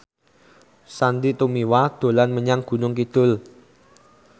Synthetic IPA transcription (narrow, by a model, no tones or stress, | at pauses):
sand̪it̪umiwad̪̥o̤lanməɲaŋɡ̥ṳnʊŋkid̪̥ʊ̤l